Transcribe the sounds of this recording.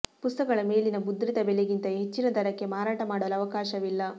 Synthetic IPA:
pust̪ɐkɐɭɐme̞ːɭinɐbud̪ɾit̪ɐbɛleɡint̪ɐɦe̞t͡ʃːinɐd̪ʱɐɾɐkːe̞maːɾaːʈɐmaːɽoʋɐlɐʋɐkaːʃɐʋilːɐ

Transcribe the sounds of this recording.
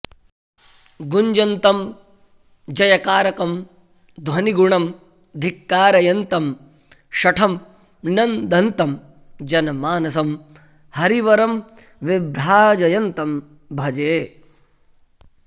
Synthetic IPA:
ɡuɲd͡ʒɐnt̪ɐm | d͡ʒɐjɐkaːɾɐkɐm | d̪ʱʋɐniɡuɳɐm | d̪ʱikːaːɾɐjɐnt̪ɐm | ʃɐʈʰɐm | nɐnd̪ʱɐnt̪ɐm | d͡ʒɐnɐmaːnɐsɐm | hɐɾiʋɐɾɐm | ʋibɾaːd͡ʒɐjɐnt̪ɐm | bʱɐd͡ʒeː

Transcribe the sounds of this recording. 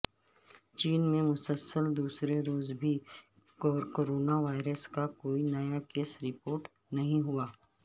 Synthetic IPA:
t͡ʃiːnmẽmʊsəlsəld̪uːsɾeɾoːzbʱi | koːɾoːnaʋaːɪɾəskakoːinɐjakeːsɾɪpoːɾʈ | nɐɦĩɦuaː

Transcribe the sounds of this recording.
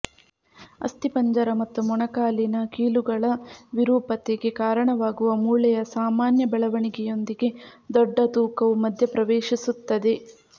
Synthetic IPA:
ɐ̰st̪ipɐɲd͡ʒɐɾɐmɐt̪ːumɔɳɐkaːlinɐkiːluɡɐɭɐʋiɾuːpɐt̪eɡe̞kaːɾɐɳɐʋaːɡuʋɐmuːɭɛjɐsaːmaːnjɐbɛɭɐʋɐɳiɡɛjo̞nd̪iɡe̞d̪ɔɖːɐt̪uːkɐʋumɐd̪ʱjɐpɾɐʋeːʃisut̪ːɐd̪e̞

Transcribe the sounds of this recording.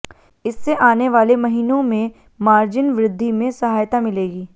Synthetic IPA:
ɪsːeʔaːneʋaːlemɐɦiːnõmẽ | maːɾd͡ʒɪnʋɾɪd̪ʱːimẽsɐɦaːjt̪amɪleːɡiː

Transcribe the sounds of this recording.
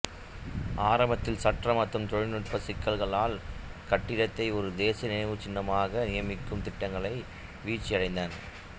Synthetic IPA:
aːɾɐmbɐt̪ːɪlsɐʈrɐmɐt̪ːrɯmt̪ɔɻɪnɯʈ̚pɐsɪkːɐlɣɐɭaːlkɐʈːɪɽɐt̪ːɐɪɔɾɯd̪eːsɐnɪnɐɪʋɯt͡ʃɪnːɐmaːɣɐnɪjɐmɪkːɯmt̪ɪʈːɐŋɡɐɭɐɪ | ʋiːt͡ʃːɪjɐɽɐɪnd̪aːn

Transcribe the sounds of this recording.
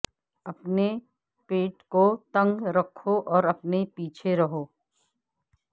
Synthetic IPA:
ɐpne | peːʈkot̪ɐ̃ŋɡɾɐkʰːoʔɔːɾɐpnepiːt͡ʃʰeɾɐɦoː

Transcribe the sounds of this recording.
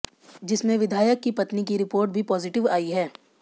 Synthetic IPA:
d͡ʒɪsmẽʋɪd̪ʱaːjəkːipɐt̪nikiɾɪpoːɾʈbʱipɔːzɪʈɪʋaːiɦɛː

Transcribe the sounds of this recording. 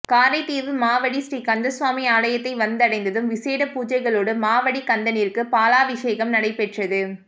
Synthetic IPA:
kaːɾɐɪt̪ːiːʋɯmaːʋɐɽisɾikɐnd̪ɐsʋaːmiaːlɐjɐt̪ːɐɪʋɐnd̪ɐɽɐɪnd̪ɐðɯmʋɪseːɽɐpuːd͡ʒɐɪɣɐɭoːɽɯmaːʋɐɽikɐnd̪ɐnɪɾkɯpaːlaːʋɪʂeːɣɐmnɐɽɐɪpɛʈrɐðɯ

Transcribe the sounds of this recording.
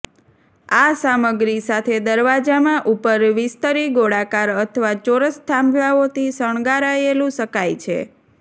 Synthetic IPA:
asaməɡɾisat̪ʰed̪əɾʋad͡ʒamãʔupəɾʋɪst̪əɾiɡoɽakaɾət̪ʰəʋat͡ʃoɾəst̪ʰãmblaot̪ʰisəɳ̃ɡaɾaelũʃəkajt͡ʃʰḛ

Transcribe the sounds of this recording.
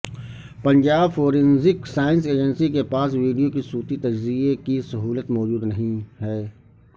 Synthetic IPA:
pɐ̃ɲd͡ʒaːbfoːɾɪ̃nzɪksaːɪnseːd͡ʒənsikepaːs̬ʋiːɖijokisuːt̪it̪ɐd͡ʒziekisɐɦuːlət̪mɔːd͡ʒuːd̪nɐɦĩɦɛː

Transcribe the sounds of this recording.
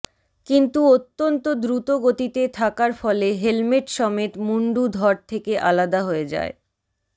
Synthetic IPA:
kint̪uot̪ːont̪od̪ɾut̪oɡot̪it̪et̪ʰakaɾfɔleɦelmeʈʃɔmet̪muɳɖud̪ʱɔɾt̪ʰekeʔalad̪aɦoed͡ʑa̰e

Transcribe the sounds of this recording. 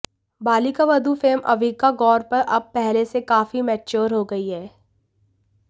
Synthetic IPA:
baːlikaʋɐd̪ʱufeːmʔɐ̰ʋiːkaɡɔːɾpɐɾʔɐb̚pɛɦlesekaːfimɛːt͡ʃoːɾɦoɡɐiɦɛː

